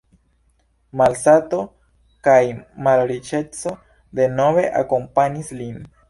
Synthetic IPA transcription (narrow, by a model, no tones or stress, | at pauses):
malsato̞ | kajmalɾit͡ʃe̞t͡so̞ | d̪e̞no̞ve̞ʔa̰ko̞mpaɲislin